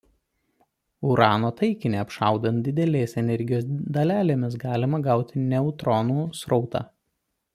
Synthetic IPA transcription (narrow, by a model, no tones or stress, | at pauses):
ʊɾɑːnoːt̪ɐɪkʲɪnʲeːɐpʃɑˑʊd̪ɐnt̪̚d̪ʲɪd̪ʲɛlʲeːsɛnʲɛɾʲɡʲɪjoːsd̪ɐlʲæːlʲeːmʲɪs̬ɡɑːlʲɪmɐɡɑˑʊt̪ʲɪnʲɛʊt̪ɾɔnuːsɾɒʊt̪ɑ̰ː